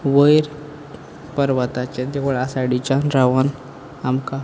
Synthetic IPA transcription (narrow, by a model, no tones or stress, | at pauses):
ʋəjɾ | pəɾʋat̪at͡ɕẽd̪ekəɭasaɽit͡ɕanɾaʋan | amka